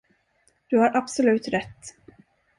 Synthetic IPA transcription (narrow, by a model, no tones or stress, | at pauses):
d̪̥ɵhaɾʔabsɔlʉ̟ːt̪ɾɛt̪ː